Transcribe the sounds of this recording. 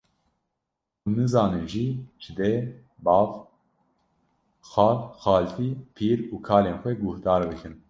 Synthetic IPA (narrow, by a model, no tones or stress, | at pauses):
unɨzɑːnɨnʒiʒ̥ɨd̪e | bɑːv | xɑːlxɑːlfiːpʰiːɾuːkʰɑːleːnxʷɛɡʊhd̪ɑːɾbɨkʰɨn